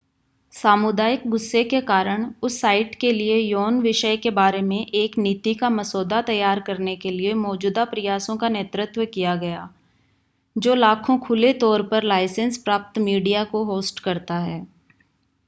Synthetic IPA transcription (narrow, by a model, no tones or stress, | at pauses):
saːmʊd̪aːjɪk̚ɡʊsːekekaːɾəɽ̃ʊsːaːɪʈkeliejoːnʋɪʃəjkebaːɾemẽʔeːkniːt̪ikamɐsoːd̪at̪ɐjːaːɾkɐɾnekeliemɔːd͡ʒuːd̪apɾɪjaːsõkaneːt̪ɾət̪wəkijaɡɐjaː | d͡ʒoːlaːkʰõkʰʊlet̪ɔːɾpɐɾlaːɪsə̃nspɾaːp̚t̪miːɖijakoɦoːsʈkɐɾt̪aɦɛː